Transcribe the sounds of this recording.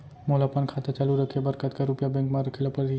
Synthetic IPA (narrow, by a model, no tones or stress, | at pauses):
molapənkʰat̪et͡ʃaluɾəkʰebəɾkət̪kaɾupjabɛ̃ŋkmãɾəkʰelapəɾ